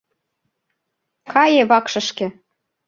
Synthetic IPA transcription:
kɑjeβɑkʃɤ̆ʃkĕ

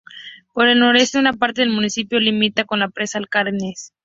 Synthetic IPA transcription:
poɾe̞lno̞ɾe̞st̪e̞unapaɾt̪e̞ðelmũnisipjo̞limit̪ako̞nlapɾesalkaɾnes

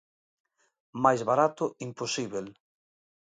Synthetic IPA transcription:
majzβaɾat̪ʊimposiβel

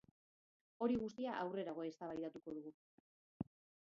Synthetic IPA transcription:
o̞ɾiɣust̪iaʔawre̞ɾaɣ̞o̞e̞st̪aβajt̪at̪uko̞ðuɣu

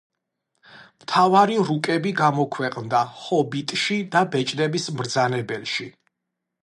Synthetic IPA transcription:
mt̪ʰavaɾiɾukʼɛbiɡamɔkʰwɛqʼnd̪ahɔbit̪ʼʃid̪abɛt͡ʃʼnɛbismɾd̪zanɛbɛlʃi

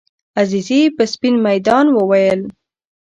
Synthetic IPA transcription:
azizipəspinmajd̪ɑnwəwajəl

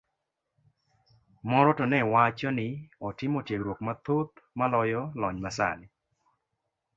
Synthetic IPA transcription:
mɔɾɔtɔnɛwat͡ʃɔnɪɔtɪmɔtjeɡɾwok̚mat̪ot̪̚malɔjɔlɔɲmasa̰lɪ

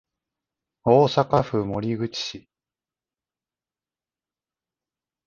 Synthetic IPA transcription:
oːsakaɸɯ̟mo̞ɾʲiɡɯ̟t͡ɕi̥ɕi

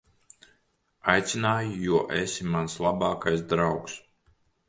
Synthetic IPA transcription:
ajt̪sinaːjujuɔʔɛsimanslˠabɑːkajsd̪ɾawks

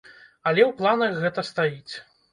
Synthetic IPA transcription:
ɐlʲɛwplˠanɐxɣɛt̪ɐst̪ajit͡sʲ

